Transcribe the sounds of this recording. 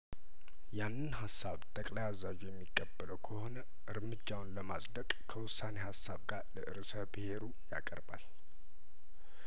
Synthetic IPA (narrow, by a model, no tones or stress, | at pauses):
janːɨnɦasːaβt̪ʼəkʼlajazad͡ʒujɛmːikʼːəbːələwkʰəho̞nə | ʔɨɾmɨd͡ʒːawnləmasʼd̪əkʼkʰəwʊsːane̞hasːaβɡaɾləʔɨ̰ɾsəbɨhe̞ɾu | ja̰kʼəɾba̰l